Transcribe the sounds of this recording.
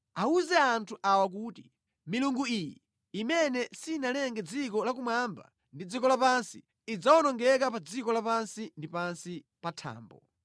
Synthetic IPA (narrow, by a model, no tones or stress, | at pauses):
auzɛantʰuʔawak̬uːti | miluŋɡuiji | imɛnɛsinalɛŋɡɛd͡zikɔlak̬umwamba̰ | ndid͡zikɔlapansiː | d͡zawɔnɔŋɡɛkapad͡zikɔlapansindipansi | patʰa̰ːmbɔ